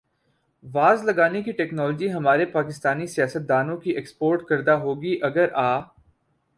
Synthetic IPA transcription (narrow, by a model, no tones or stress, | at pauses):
ʋaːzlɐɡaːnekiʈɛːknɔːlɔd͡ʒiɦɐmaːɾepaːkɪst̪aːnisijaːsət̪̚d̪aːnõkiʔekspoːɾʈkɐɾd̪aɦoːɡiʔɐɡəɾʔaː